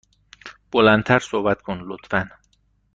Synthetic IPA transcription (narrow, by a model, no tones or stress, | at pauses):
b̥olænt̪ʰæɾsohbæt̪kʰonlot̪fæn